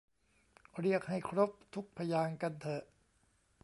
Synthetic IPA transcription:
ɾi˥˩ək̚ha˥˩jkʰɾo˦˥p̚t̪ʰu˦˥k̚pʰa˧jaː˧ŋka˧nt̪ʰɤ˨˩ʔ

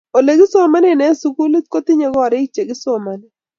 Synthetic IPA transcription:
o˨le˨ɡɪ˦so˦ma˦nɛ˦˨nɛ˨˦su˨˦ku˦lɪ˦t̚ko˦t̪ɪ˦ɲe˦ɡɔ˦˨ɾɪ˦kt͡ʃe˨ɡɪ˦so˦ma˨nɪ˦

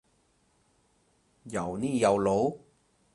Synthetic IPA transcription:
ja̰˨˩wni˦˥˨ja˧˩wlo˨˦

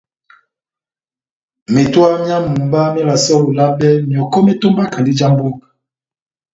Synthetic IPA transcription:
me˨twa˦mja˦mu˨mba˦mi˦la˨sɔ˦lo˨la˦bɛ˦mjɔ˨kɔ˦me˦to˦mba˦ka˨ndi˦d͡ʒa˦mbo˦k

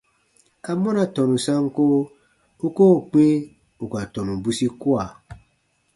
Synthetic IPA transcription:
a˨mɔ̃˦na˨tɔ̃˨nũ˨sã˦ŋ˦ko˦ | u˦koː˦˨k͡pe˦ | u˨ka˨tɔ̃˨nũ˨bu˦si˦ku˦a˨

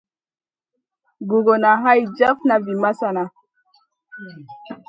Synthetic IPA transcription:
bu˨ɡo˨na˨ɦa˦jd͡ʒa˦fna˨vi˨ma˦sa˨na˨

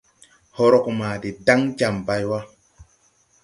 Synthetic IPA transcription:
ho˦ɾo˦˨kma˨de˨da˦ŋd͡ʒa˨mba˦jwa˦

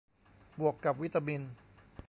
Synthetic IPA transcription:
bu˨˩əkːa˨˩p̚wi˦˥t̪ːa˧mi˧n

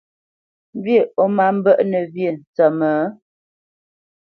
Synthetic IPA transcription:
m˦be˦˨o˦ma˦m̩˦bə˦ʔnə˨vje˦˨n̩˨t͡sə˨mə˨˦

